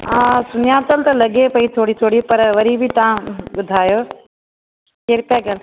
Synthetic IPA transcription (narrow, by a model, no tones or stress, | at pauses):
ãsʊnɪjaːt̪əlt̪ɐlɐɠepɐit̪ʰoːɽit̪ʰoːɽipɐɾʋɐɾibʱit̪ɐãɓʊd̪ʱaːjoː | keɾpɛɡəl